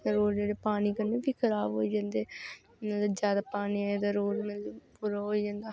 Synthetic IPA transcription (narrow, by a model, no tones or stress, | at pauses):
ɾoːɾd͡ʒeːɽeːpaːniːkənːebiːkʰəɾaːʋɦoːiːd͡ʒãːnd̪eː | mələd͡ʒjaːd̪aːpaːniaed̪aɾoːlmɪlpuɾaɦoːid͡ʒãːnd̪aː